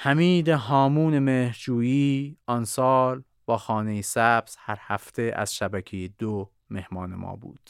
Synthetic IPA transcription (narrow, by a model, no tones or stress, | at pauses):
hæmiːd̪eɦɒːmuːnemeːhɾd͡ʒuːjiːɒnsɒːl | bɒːxɒːne̞jesæbz̥hæɾhæft̪ʰe̞ʔæ̰z̥ʃæbæcʰejed̪o | me̞hmɒːne̞̰mʔɒ̰ːbṵːd̪̥